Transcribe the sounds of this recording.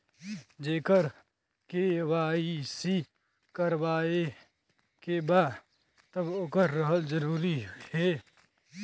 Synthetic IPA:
d͡ʒeːkəɾ | kewaːisi | kəɾwaːe | kebaː | t̪əbokəɾːəɦəld͡ʒəɾuːɾihɛː

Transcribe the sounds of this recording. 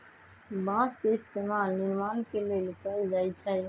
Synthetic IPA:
bãskeɪst̪emalniɾmankelelkəld͡ʒajt͡ʃʰɛ

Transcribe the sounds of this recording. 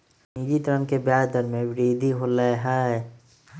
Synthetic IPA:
nid͡ʒit̪ɾənkebjaːd̪əɾmẽbɪɾiːd̪ʱiɦoləɦa

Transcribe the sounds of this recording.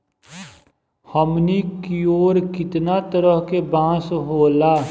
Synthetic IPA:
həmnikioːɾkɪt̪nat̪əɾəɦkebãːsɦoːlaː

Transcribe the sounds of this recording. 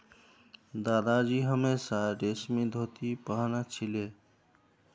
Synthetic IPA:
d̪aːd̪ad͡ʒiɦəmesaɖesmĩd̪ʱot̪ipəɦnat͡ʃʰile

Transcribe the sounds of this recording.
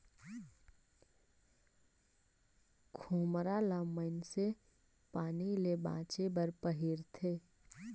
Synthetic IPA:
kʰuːmɾalamənse | paːnilebã̰ːt͡ʃebəɾpəɦiɾt̪ʰeː

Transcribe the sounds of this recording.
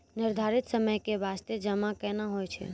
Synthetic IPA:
nɪɾd̪ʱaɾit̪səməjkeʋast̪ed͡ʒəmãkɛnãɦojt͡ʃʰḛ

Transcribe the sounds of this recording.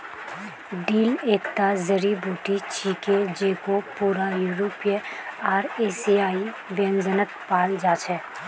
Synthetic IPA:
ɖiːleːkt̪azəɾibʱuːʈit͡ʃʰiːked͡ʒeːkopuːɾajuːɾoːpeaːɾeːsiaːi | ʋẽːnzənəkpaːld͡ʒaːt͡ʃʰɛː

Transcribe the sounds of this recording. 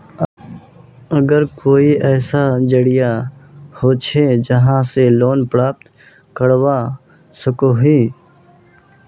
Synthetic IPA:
əɡəɾkoːiʔɛːsad͡ʒəɽijahoːt͡ʃʰed͡ʒəɦãseloːnpɾaːp̚t̪ | kəɽwa | səkoɦiː

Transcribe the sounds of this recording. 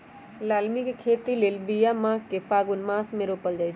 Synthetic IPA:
laːlmikekʰeːt̪ileːlbijamãːkːepʰaːɡʊnmãːsmẽɾoːpəld͡ʒaː

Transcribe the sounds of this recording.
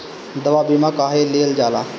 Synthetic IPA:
d̪əʋaːbimãkaːɦeːliːəld͡ʒaːla̰ː

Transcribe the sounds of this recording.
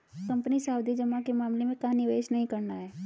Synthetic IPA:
kɐ̃mpənisaːwd̪id͡ʒɐmːãkemaːmlemẽkanɪʋeːʃnɐɦĩkɐɾnaɦɛː

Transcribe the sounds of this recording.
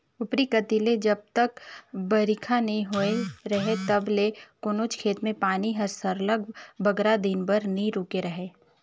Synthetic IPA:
ʊpɾikɐt̪iled͡ʒɐb̚t̪əkbɐɾɪkʰanɐɦĩɦoeɾɐɦet̪ɐblekoːnoːt͡ʃkʰeːt̪mẽpaːniɦɐɾsəɾləɡbɐɡɾad̪ɪnbəɾniɾuːkeɾɐɦeː

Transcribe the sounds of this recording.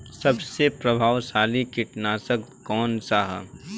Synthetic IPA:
sɐbsepɾəbʱaːʋsaːlikɪʈnaːsəkkɔːnsaɦ

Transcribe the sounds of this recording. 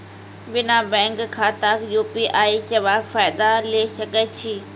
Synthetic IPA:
bɪnabɛ̃ːŋkʰːaːt̪aːkjuːpiʔaːisɐʋaːkfaːjd̪aleːsɐɡət͡ɕʰiː

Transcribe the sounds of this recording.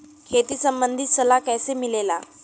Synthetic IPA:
kʰet̪iːsəmbənd̪ʱit̪səlakajsemilela

